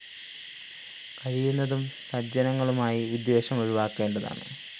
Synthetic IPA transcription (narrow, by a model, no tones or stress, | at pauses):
kɐɻijunːɐðumsɐd͡ʑɐnɐŋːɐɭumaːjiʋid̪jeːɕɐmɐɻuʋaːkːe̞ːɳɖɐða̰ːɳɨ̰